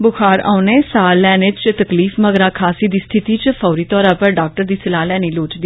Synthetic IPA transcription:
bʊxʰaːɾa̰ːʊneːsaːlɛːneːt͡ʃt̪əkliːfməɡɾaːkʰaːsiːd̪iːst̪ʰɪt̪iːt͡ʃpʰɔːɾiːt̪ɔːɾãːpəɾɖaːk̚ʈəɾd̪iːsɪlaːlɛːniːloːʈd̪iː

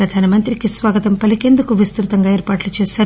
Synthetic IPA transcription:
ɾɐd̪ʱaːnɐmɐnt̪ɾikisʋaːɡɐt̪ɐmpɐlike̞nd̪ukuʋist̪ɾut̪ɐŋɡaːeːɾpaːʈlut͡ʃeːsaːɾ

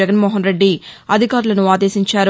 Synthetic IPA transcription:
ɛɡɐnmɔːɦɐnɾe̞ɖːiɐd̪ʱikaːɾulɐnuaːd̪e̞ːsiɲt͡ʃaːɾu

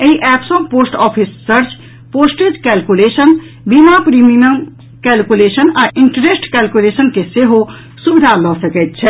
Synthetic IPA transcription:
əiʔɛːpsõpoːsʈɔːpʰisːəɾt͡ʃ | poːsʈed͡ʒkɛːlkuleːsən | bimapɾiminəm | kɛːlkuleːsənaʔɪɳʈɾesʈkɛːlkulesənkeseɦo | subid̪ʱalɔsəkɛt̪̚t͡ʃʰɛ

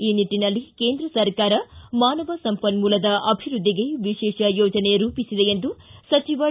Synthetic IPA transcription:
iːniʈːinɐlːike̞ːnd̪ɾɐsɐɾkaːɾɐmaːnɐʋɐsɐmpɐnmuːlɐd̪ɐʔɐbʱiɾud̪ʱːiɡejuʋiʃɛːʃɐjoːd͡ʒɐne̞ɾuːpisid̪eend̪usɐt͡ʃiʋɐ

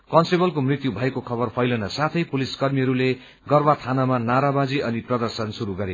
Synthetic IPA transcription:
kʌnsʈibʌlkomrit̪jubʱʌekokʰʌbʌrpʰʌjlʌnʌsat̪ʰʌjpuliskʌrmiɦʌɾule | ɡʌrbat̪ʰanamanaɾabad͡ziʌniprʌd̪ʌrsʌnsuɾuɡʌɾe

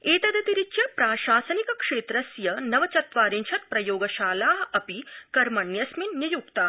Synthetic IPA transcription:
eːt̪ɐd̪ɐt̪iɾit͡ʃjɐpɾaːʃaːsɐnikɐkʂeːt̪ɾɐsjɐnɐʋɐt͡ʃɐt̪̚ʋaːɾint͡ʃʰɐt̪̚pɾɐjoːɡɐʃaːlaːɦɐɐpikɐɾmɐɳjɐsminnjɐjukt̪aː

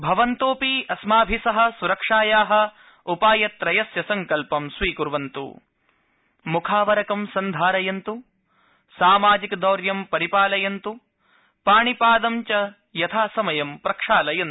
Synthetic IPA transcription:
bʱɐʋɐnt̪oːpiɐsmaːbʱisɐɦɐ̆suɾɐkʂaːjaːɦɐ̆ | upaːjɐt̪ɾɐjɐsjɐsɐŋkɐlpɐmsʋiːkuɾʋɐnt̪ṵ | mukʰaːʋɐɾɐkɐmsɐnd̪ʱaːɾɐjɐnt̪u | saːmaːd͡ʒikd̪ɐːɾjɐmpɐɾipaːlɐjɐnt̪u | paːɳipaːd̪ɐmt͡ʃɐ | jɐt̪ʰaːsɐmɐjɐmpɾɐkʂaːlɐjɐn

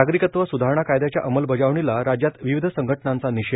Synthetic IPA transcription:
aɡɾikət̪ʋəsud̪ʱaɾɳ̃akajd̪at͡ɕja̰ʔəməlbəd͡zaʋɳilaɾad͡ʑjat̪ʋiʋid̪ʱəsəŋɡʱəʈnant͡saniɕe

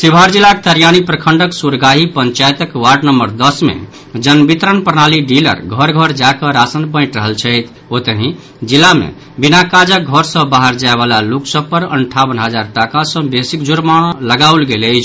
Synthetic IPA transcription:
sibʱaɾd͡ʒilːakt̪əɾijañipɾəkʰəɳɖəksuɾɡaɦipəɲt͡ʃajt̪əkwaɖnəmːəɾd̪əsmḛ | d͡ʒənbit̪ɾənpəɾnaliɖilə̰ɾɡʱʌɾɡʱəɾd͡ʒakə̃ɾasənpə̃ɪ̃ʈɾəɦəlt͡ʃʰəjt̪ʰ | ot̪əɦĩ | d͡ʒilːamḛ | binakad͡ʒəɡʱəɾsə̃baɦəɾd͡ʒaebalaluksəpəɾə̰ɳʈʰaβənɦəd͡ʒaɾʈakasə̃besikd͡ʒuɾmaɽ̃ləɡaulɡeləjt͡ʃʰ

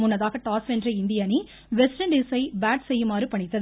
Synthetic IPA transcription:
mʊnːɐðaːɣɐʈaːsʋɛndrɐɪnd̪ɪjani | ʋɛsʈɐnɖɪsɐɪbaːʈsɛjːɯmaːɾɯpɐɳɪt̪ːɐð

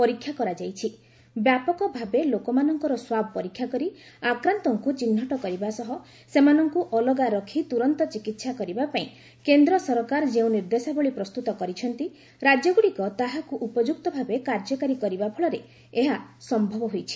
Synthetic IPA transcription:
pɔɾikʰːjakɔɾad͡ʒajt͡ʃʰi | bjapɔkɔbʱabelokɔmanɔŋkɔɾɔswabʱɔpɔɾikʰːjakɔɾiakɾant̪ɔŋkut͡ʃinːɔʈɔkɔɾibasɔɦɔ | semanɔŋkuʔɔlɔɡaɾɔkʰit̪uɾɔnt̪ɔt͡ʃikit̪sakɔɾibapaĩ | kend̪ɾɔsɔɾkaɾɔd͡ʒeũniɾd̪esabɔɭipɾɔst̪ut̪ɔkɔɾit͡ʃʰɔnt̪i | ɾad͡ʒjɔɡuɽikɔt̪aɦakuʔupɔd͡ʒuk̚t̪ɔbʱabekaɾd͡ʒɔkaɾikɔɾibapʰɔɭɔɾe | eɦasɔmbʱɔbɔɦojt͡ʃʰi̥

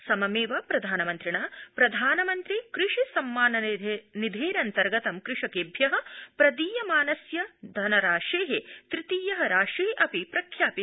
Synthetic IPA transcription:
sɐmɐmeːʋɐpɾɐd̪ʱaːnɐmɐnt̪ɾiɳaːpɾɐd̪ʱaːnɐmɐnt̪ɾikɾɪʂisɐmːaːnɐnid̪ʱeːɾɐnt̪ɐɾɡɐt̪ɐmkɾɪʂɐkeːbʱjɐɦɐ̆pɾɐd̪iːjɐmaːnɐsjɐd̪ʱɐnɐɾaːʂeːɦet̪ɾɪt̪iːjɐɦɐɾaːʂiɦʔɐpipɾɐkʰjaːpi

